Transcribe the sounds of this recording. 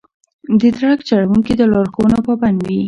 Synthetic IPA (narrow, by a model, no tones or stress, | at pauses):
d̪əd̪ɾakt͡ʃaɽawuŋkid̪əlɑɾxowənopəband̪i